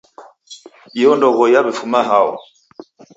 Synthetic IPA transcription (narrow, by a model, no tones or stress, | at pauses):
jɔndɔɣɔjaβɛfumaɦaɔ̰